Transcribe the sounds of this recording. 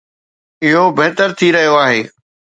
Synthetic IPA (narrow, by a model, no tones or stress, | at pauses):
ɪɦobɪɦt̪əɾt̪ʰiɾɐɦijoaːɦeː